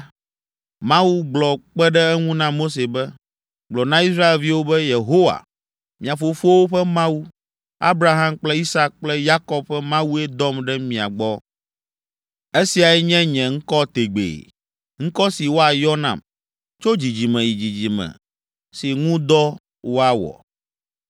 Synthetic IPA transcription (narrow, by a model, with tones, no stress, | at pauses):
mã˦wu˦ɡ͡blɔ˨k͡pɛ˦ɖɛ˦ɛ˦ŋũ˦nã˦mo˦s̬e˨bɛ˦ | ɡ͡blɔ˨nã˦i˦sɾa˦e˨lvi˦wo˦bɛ˦je˨ɦo˦wa̰˨ | mĩ˨a˨fo˨fu˦o˦wo˦ɸɛ˦mã˦wu˦ | a̰˦bɾa˦ɦã˦mk͡plɛ˦i˦sa˦k̚k͡plɛ˦ja˦kɔ˦b̚ɸɛ˦mã˦wu˦e˦d̪ɔ˦mɖɛ˦mĩ˨a̰˨ɡ͡bɔ˦ | e˦si˨a˨ɛ˦ɲɛ̃˦ɲɛ̃˨ŋ̩˦kɔ˦t̪e˨ɡ͡bḛː˨ | ŋ̩̃˦kɔ˦si˨wo˦a˨jɔ˦nã̰˨m | t͡ʃo˦d͡ʑi˨d͡ʑi˨mɛ̃˨ji˨d͡ʑi˨d͡ʑi˨mɛ̰̃˨ | si˨ŋũ˦d̪ɔ˦ | wo˦a˦wɔ̰˨